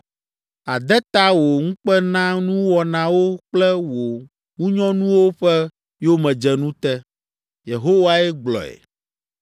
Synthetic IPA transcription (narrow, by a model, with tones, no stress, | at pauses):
a˨d̪ɛ˦t̪a˦wo˨ŋũ˦k͡pɛ˦nã˦nũ˦wɔ˨nã˨wo˦k͡plɛ˦wo˨ | ŋũ˦ɲɔ̃˦nũ˦wo˦ɸɛ˦ | jo˦mɛ̃˨d͡ʒɛ˨nũ˦t̪ɛ˦ | je˨ɦo˦wa˦ɛ˦ɡ͡blɔ̰˨ɛ̰˨